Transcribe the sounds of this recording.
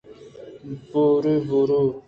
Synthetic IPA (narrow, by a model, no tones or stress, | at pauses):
m̩poɾevoɾo